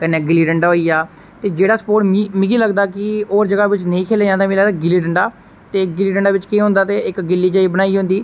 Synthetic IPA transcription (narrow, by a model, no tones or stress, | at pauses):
kənːeːɡɪliːɖəɳɖaːoːiːaː | t̪eːd͡ʒeːɽaːsə̥poːʈmimɪ̃ɡiːləɡd̪aːkɪoːɾd͡ʒəɡaːʋɪt͡ʃnə̃ĩːkʰeːleːd͡ʒãːnd̪aːmẽːləɡd̪aɡɪliːɖəɳɖaː | t̪eːɡɪliːɖəɳɖaːʋɪt͡ʃkẽːɦʊ̃nd̪aːt̪eːɪkɡɪlːiːd͡ʒaːiːbəɽ̃aːiːɦʊ̃nd̪iː